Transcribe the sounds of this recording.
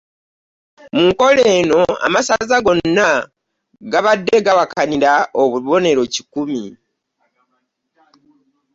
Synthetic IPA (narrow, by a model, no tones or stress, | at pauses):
muŋko̞leːno̞a̰masazaɡo̞nːa | ɡaβadːe̞ɡawakʰaniɾaoβuβo̞ne̞ɾo̞cikumi